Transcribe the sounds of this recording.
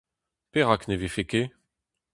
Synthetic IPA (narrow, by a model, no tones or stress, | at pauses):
peʁaknevefeke